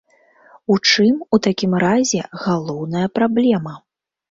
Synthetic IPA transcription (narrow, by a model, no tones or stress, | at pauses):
ut͡ʂɨmut̪akʲimɾazʲɛɣalˠɔwnɐjɐpɾablʲɛmɐ